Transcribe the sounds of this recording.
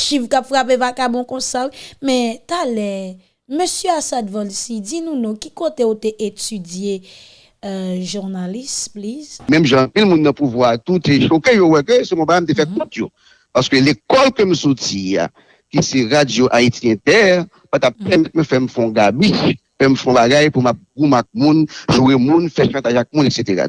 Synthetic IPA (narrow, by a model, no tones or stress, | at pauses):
ʃifkapfʁapevakabɔ̃kɔ̃sawimɛ̃t̪alɛ | møsjøasad̪vãlsid͡zinũnɔ̃kikot̪eot̪eʔetyd͡zje | ʒuʁnalisplizmɛ̃mʒãːpilmũnːɐ̃puvwat̪ut̪eʃokejowɛkøsɛmɔ̃baɡajm̩t̬efɛt̚kɔ̃t̪jo | paʁskølekɔlkøm̩sotia̰ | kisɛʁadjoʔaitiɛ̃t̪ɛʁ | pat̪ap̚pɛmɛmɛ̃fɛm̩fɔ̃ɡabi | fɛm̩fɔ̃baɡajpumap̚ɡũmak̚mũnʒuemũnfɛʃɑ̃t̪aʒak̚mũnekset̪eʁa̰